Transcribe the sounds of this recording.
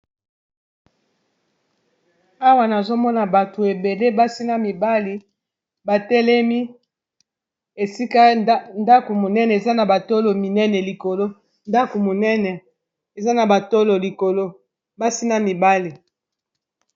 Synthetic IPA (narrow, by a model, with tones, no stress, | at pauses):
a˦wa˨na˨zo˦mɔ˦na˨ba˨to˨e˨be˨le˦ba˦si˦na˦mi˨ba˦li˨ | ba˨tɛ˦lɛ˦mi˦ | e˨si˦ka˦nda˦ko˨mo˨nɛ˦nɛ˨e˨za˦na˨ba˨to˦lo˨mi˨nɛ˦nɛ˨li˨ko˨lo˦ | nda˦ko˨mo˨nɛ˦nɛ˨ | e˨za˦na˨ba˨to˦lo˨li˨ko˨lo˦ | ba˦si˦na˦mi˨ba˦li˨